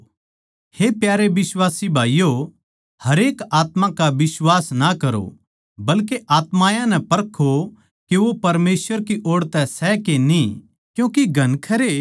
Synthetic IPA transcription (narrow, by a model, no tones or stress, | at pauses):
hepjaːɾeʋɪswaːsibʱaːijo | hɐɾeːkaːt̪mãkaʋɪswaːsnakɐɾo̰ | bɐlkeʔaːt̪mãːjãnɛpɐɾkʰo | keʋopɐɾmeːswəɾkiʔoːɽt̪ɛsɛkeni | kjũːkiɡʱɐnkʰɐɾe